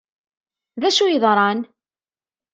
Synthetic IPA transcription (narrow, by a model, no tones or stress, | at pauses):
ðæʃujəðˤɾˤɑn